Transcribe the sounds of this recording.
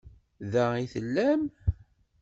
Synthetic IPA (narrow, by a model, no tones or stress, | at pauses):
ðæiθəlːæm